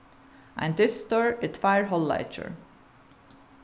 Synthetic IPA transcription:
ʔã̰nðɪsːtɔɹɨtfaɪəɹɦɔlla̰ɪt͡ʃə̰˞

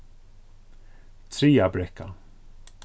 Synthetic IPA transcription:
t̪ʰɾiːabɾɛkːa̰

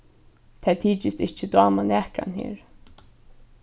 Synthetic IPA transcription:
t̪ʰɛːt̪ʰiːt͡ʃɪst̪ɪht͡ʃːəd̪wɑːmanɛːkɾa̰nhḭːɹ

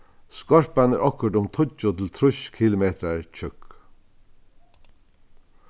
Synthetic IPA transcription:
skɔɹpanɛɾʔɔkʊʈ̪ʊmt̪ʰʊt͡ʃʊt̪ʰɪlt̪ʰɾʊʃkʰilʊmeːt̪ɾaɹt͡ʃʰʏk

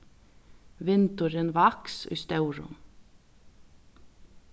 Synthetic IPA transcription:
ʋɪnt̪ʊɾənvaksʏ̰ːst̪œwɾʊ̰m

